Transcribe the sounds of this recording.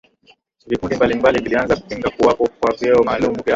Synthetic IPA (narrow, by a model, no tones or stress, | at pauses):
vikundimbalimbalivilianzaku̥piŋɡakuwapɔkwavɛɔmaːlumuvja